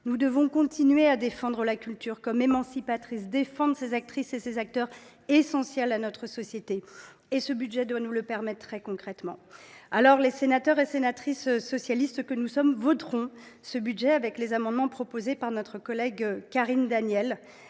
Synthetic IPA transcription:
nud̪əvɔ̃kɔ̃t̪inɥead̪efɑ̃d̪ʁəlakʲylt̪yːʁkɔmemɑ̃sipat̪χis̬d̪efɑ̃d̪sezak̚t̪χisesezak̚t̪œʁ | esɑ̃sjɛlanɔt̪χəsɔsjet̪e | esəbyd̪ʒɛd̪wanuləpɛʁmɛt̪ːχɛkɔ̃kχɛt̪mɑ̃alɔʁlesenat̪œʁesenat̪χissɔsjalist̪kənusɔmvɔt̪ʁɔ̃ | səbyd̪ʒɛavɛklezamɑ̃d̪mɑ̃pχɔpozepaʁnɔt̪χəkɔlɛɡkaʁind̪anjɛl

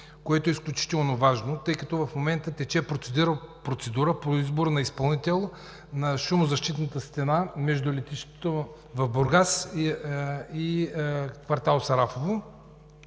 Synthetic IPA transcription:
koɛt̪oɛisklʲʊt͡ʃi̥t̪ɛlˠnovaʒnot̪ɤjkɐt̪ɔvɐfmomɛnt̪ət̪ɛt͡ʃɛpɾot̪sɛd̪iɾəpɾot̪sɛd̪uɾəpoizboɾnɐispɐlˠnit̪ɛlˠ | nɐʃumʊzɐʃt̪it̪nət̪əst̪ɛnamɛʒd̪ʊlɛt̪iʃt̪o̥t̪o | vɐvboɾɡas | i | kvɐɾt̪alˠosɐɾafovo

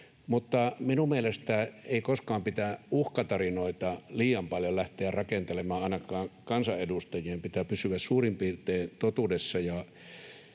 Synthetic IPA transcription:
mut̪ːɑminummielest̪æeˑikoskɑːmpit̪æʔuhkɑt̪ɑrinoˑit̪ɑliːjɑmpɑljollæht̪eærrɑkent̪elemˑɑːɑˑinɑkˑɑːŋkɑnsɑʔʔedust̪ɑjˑiːmpit̪æpysyʋæssuːrimpiːrt̪ˑeːt̪ot̪uːdesːɑjɑ

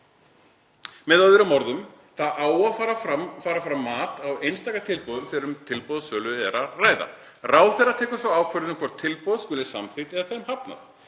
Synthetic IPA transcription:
mɛðaðʏɾʏmɔɾðʏm | θaðʔaːwafaːɾaafaːɾafɾamːaːt̪awejnst̪aːkat̪ʰɪlpɔðʏmθɛːɾʏmt̪ʰɪlpɔðsœːlʏɛɾaraːjða̰ | raːwθɛrat̪ʰɛːkʏɾ̥svawaːwkʰvɛɾðnmkʰvɔɾ̥t̪ʰːɪlpɔð̥skʏlɪ̥sa̰mθɪht̪ɛðaθɛɾmhapna̰θ

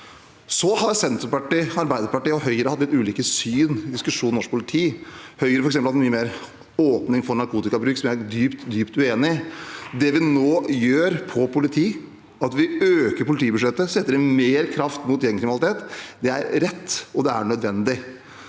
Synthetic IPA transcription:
sɔhɑɾsɛnt̪ɾəpɑʈɪɑɾbæɪd̪əɾpɑʈiːɔɦœʏəɾəhɑt̪ːlɪt̪ʉːliːkəsyːnɪd̪ɪskʉʂuːnnɔʂk̚pʰʊlɪt̪ʰiːhœʏəɾəfɔɾɛksɛmpəlhɑt̪myːəmeːɾ | oːpnɪŋfɔɳɑɾkuːt̪ɪkɑbɾʉːksɔmjææd̪yːpt̪d̪yːpt̪ʉeːnɪd̪ɛʋɪnoːjøːɾpʰɔpʰʊlɪt̪ʰiː | ɑt̪ʋɪøːkəɾpʰʊlɪt̪ʰiːbʉʂɛt̪ːəsɛt̪ːəɾɪnmeːɾkʰɾɑft̪mʊt̪jɛŋkɾɪmnɑlɪt̪ʰeːt̪ːd̪ɛæɾɾɛt̪ːɔd̪ɛæ̰ɳœd̪ʋɛnd̪ɪ

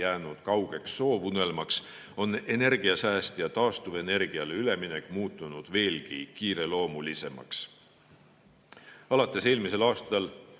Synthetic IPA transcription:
jæːnud̪̥kɑwɡ̥e̞ksːo̞ːvune̞lmɑks | o̞ne̞ne̞rɡ̥iɑsæːst̪jɑt̪ɑːst̪uve̞ne̞rɡ̥iɑleyle̞minekːˑmuːt̪ːˑunud̪̥ve̞ːlkikiːɾe̞lo̞ːmulise̞mɑ̰ks | ɑlɑt̪ːˑe̞se̞ːlmise̞lɑːst̪ɑl

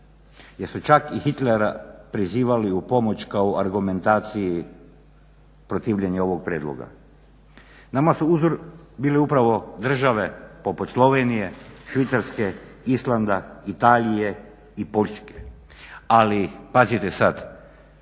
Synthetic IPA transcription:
jesut͡ʃakixit̪leɾa̰pɾiziːʋaliupo̞mo̞t͡ʃkaoʔaɾɡume̞nt̪aːt̪siji | pɾot̪iːʋʎe̞ɲeo̞ʋo̞ɡ̚pɾjeːd̪lˠo̰ɡa̰ | namasuuzoɾbiːleupɾaʋo̞d̪r̩ʒaʋe̞po̞put̪slˠo̞ʋenije̞ʃʋit̪saɾskeislˠand̪ait̪aːʎije̞ | ipo̞ʎske̥ | alipazit̪esad̪

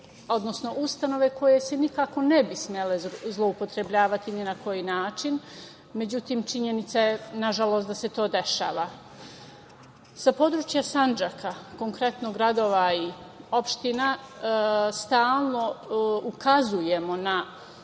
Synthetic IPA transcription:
o̞d̪no̞sno̞ʔust̪ano̞ʋe̞ko̞je̞senikako̞nebismʲjelezlˠo̞upo̞t̪ɾe̞bʎaːʋat̪ininako̞jinaːt͡ʃin | me̞d͡ʑut̪iːmt͡ʃiɲe̞nit̪sajenaʒalo̞st̪d̪ase̞t̪o̞ːd̪e̞ʃa̰ːʋa | sapo̞d̪ɾuːt͡ʃjasand͡ʒakʰako̞ŋkɾe̞t̪noɡɾad̪o̞ːʋaio̞pʃt̪ina | st̪aːlˠno̞ukazuje̞mo̞na

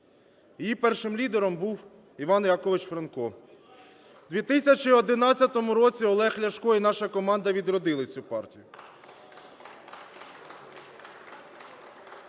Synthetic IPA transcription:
jejipɛrʃɪmlʲid̪eɾɔmbuw | iʋɑnjakɔʋɪt͡ʃfɾɐnkɔ | d̪ʲʋʲit̪ɪsʲɐt͡ʃiɔd̪ɪnɑt͡sʲːɐt̪ɔmʊɾɔt͡sʲiɔlˠɛxlʲɐʃkɔinɑʃɐkɔmɑnd̪ɐʋʲid̪ɾɔd̪ɪlˠɐt͡sʲupɑrtʲijʊ

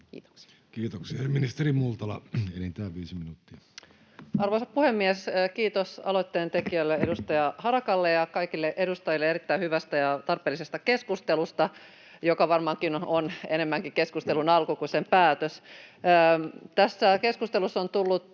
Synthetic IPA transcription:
kḭːt̪o̥ksi̥ | kiːt̪oksiɑeminist̪erimult̪ɑlɑ̰enint̪æːʋiːsiminuːt̪ːiɑ | ɑrʋoisɑppuhemːieskiːt̪osɑ̰lojt̪ːeːnt̪ekiælːeedust̪ɑjɑhɑɾɑkɑlːejɑkɑikilːeʔe̞dust̪ɑjilːeeɾit̪ːæihyʋæst̪æjɑt̪ɑrpˑeːlisest̪ɑke̞skust̪elust̪ɑ | jokɑʋɑrmɑŋkinonene̞mːæŋkike̞skust̪elunɑlkukusempæːt̪øs | t̪æsːæke̞skust̪elusːont̪ulːut̪

